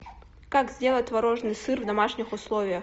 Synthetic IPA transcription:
kakzʲdʲe̞lˠətʲvɐɾoʐnɨjsɨrvd̪ɐmaʂnʲɪxʊslˠovʲɪjəx

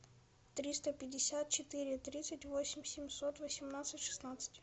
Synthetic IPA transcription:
t̪ɾʲist̪əpʲɪdʲːɪsʲat̪̚t͡ɕɪt̪ɨɾʲɪt̪ɾʲit̪sɨtʲvosʲɪmʲsʲɪmʲsot̪vəsʲɪmnat̪sɨtʲʂɨ̥snat̪sɨ̥tʲ

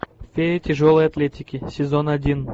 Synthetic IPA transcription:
fʲeɾʲɪtʲɪʐolˠɨjɐt̪lʲetʲɪkʲɪsʲɪzo̞nɐdʲin

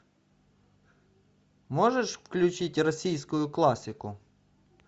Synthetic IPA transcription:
moʐɛʂfklʲʊt͡ɕitʲrɐsʲijskʊjʊklˠasʲɪkʊ

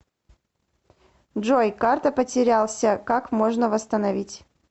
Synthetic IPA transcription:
ʐojkart̪əpətʲɪɾʲalˠsʲəkakmo̞ʐnəvəst̪ənɐvʲitʲ

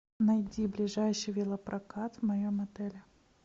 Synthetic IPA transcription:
nɐjdʲiblʲɪʐajɕɪjvʲɪlˠəpɾʔɐkat̪vmɐjomɐt̪ɛlʲɪ

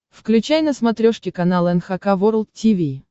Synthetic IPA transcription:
fklʲʉt͡ɕæjnəsmɐt̪ɾʲoʂkʲɪkɐnalˠəɛnxɐkavoɾəlˠt̪tʲivʲi

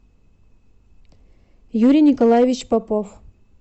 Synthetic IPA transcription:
juɾʲijnʲɪkolˠajevʲɪt͡ɕpɐpof

